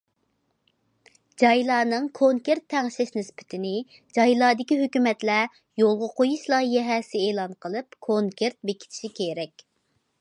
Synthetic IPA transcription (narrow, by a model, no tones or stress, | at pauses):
d͡ʒɑjlˠɑːnɨŋkʰoŋkʲeɾt̪ʰːɛŋʃɪʃnɪspʰɪ̥t̪ʰɪnɪ | d͡ʒɑjlˠɑːd̪ɪkʲiɦøkʲymɛt̪lɛ | jolˠʁʊqʰojuʃlˠɑjɛɦɛsɪeːlˠɑnqʰəlˠɨpkʰoŋkʲʰeɾt̪̚bekʲʰi̥t̪ʰɪ̥ʃikʲʰeɾɛkʲ